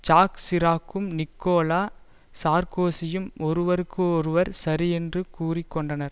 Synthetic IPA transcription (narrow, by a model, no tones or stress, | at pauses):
t͡ʃaːksɪɾaːkːɯmnɪkːoːlaː | saːɾkoːsɪjɯmɔɾɯʋɐɾɯkːɯɔɾɯʋɐɾsɐɾiɛndrɯkuːrɪkːɔɳɖɐnɐɾ